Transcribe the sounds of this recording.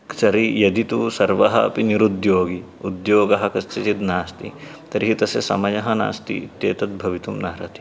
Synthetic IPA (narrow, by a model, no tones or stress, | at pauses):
sɐɾijɐd̪it̪usɐɾʋɐɦɐɐpiniɾud̪joːɡi | ud̪joːɡɐɦɐkɐst͡ʃ̪ɐt͡ʃid̪naːst̪ḭ | t̪ɐɾiɦit̪ɐsjɐ̰sɐ̰mɐjɐɦɐna̰ːst̪ḭt̪jḛːt̪ɐt̪̚bʱɐʋit̪umnaːɾɐt̪i̥